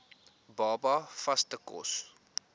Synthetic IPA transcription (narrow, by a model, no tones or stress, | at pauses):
bɑːbɐfɐstəkɔ̰s